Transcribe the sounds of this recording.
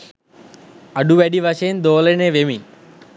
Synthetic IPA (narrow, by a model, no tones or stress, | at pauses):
ɐɖuʋeɖiʋɐʃend̪oːlɐneːʋemi